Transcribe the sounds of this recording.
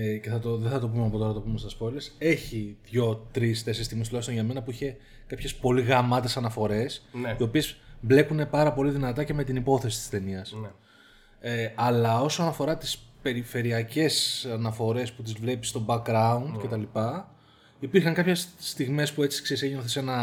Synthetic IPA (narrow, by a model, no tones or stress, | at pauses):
ce̞θɐt̪oðeθɐt̪o̞pumeɐpo̞t̪o̞ɾɐɐt̪opumest̪ɐspo̞lese̞çiðʝo̞t̪ɾist̪e̞seist̪iɣmest̪ulɐçst̪onʝɐme̞nɐpuiçe̞ | kɐpçe̞spo̞liɣɐmɐt̪e̞sɐnɐfo̞ɾe̞sio̞pie̞zble̞kune̞pɐɾɐpo̞liðinɐt̪ɐce̞me̞t̪inipo̞θe̞si̥t̪i̥st̪e̞niɐs | eɐlɐo̞sonɐfo̞ɾɐt̪i̥spe̞ɾife̞ɾiɐce̞sɐnɐfo̞ɾe̞sput̪izvle̞pist̪o̞bɐkɡɾɐund̪ce̞t̪ɐlipɐ | ipiɾxɐŋkɐpçe̞sːt̪iɣme̞spue̞t͡si̥ksesejenoθese̞nɐ